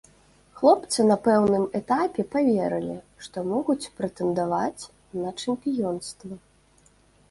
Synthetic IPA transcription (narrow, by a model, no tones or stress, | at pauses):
xlˠɔpt̪sɨnɐpɛwnɨmɛt̪apʲɛpavʲɛɾɨlʲi | ʂt̪ɔmɔɣut͡sʲpɾɐt̪ɛnd̪avat͡sʲ | nɐt͡ʂɛmʲpʲijɔnst̪vɐ